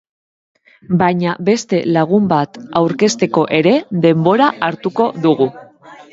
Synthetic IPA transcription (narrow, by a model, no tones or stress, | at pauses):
bajɲabe̞st̪e̞laɣ̞umbat̪awɾke̞st̪e̞ko̞ʔe̞ɾe̞ðe̞mbo̞ɾaʔaɾt̪uko̞ðuɣu